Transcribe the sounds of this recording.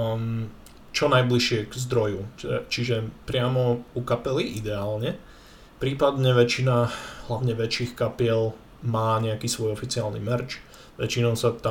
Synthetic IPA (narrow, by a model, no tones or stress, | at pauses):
t͡ʃɔnajbliʃɪɛɡzd̪ɾɔjut͡ʃɛt͡ʃiʒɛpɾɪamɔukapɛliʔid̪ɛaːlɲɛ | pɾiːpad̪ɲɛʋɛt͡ʃinaɦlaʋʊɲɛʋɛt͡ʃiːxkapɪɛl | maːɲɛakiːsʋɔjɔfit͡siaːlnḭmɛɾt͡ʃ | ʋɛ̰t͡ʃinɔʊsat̪a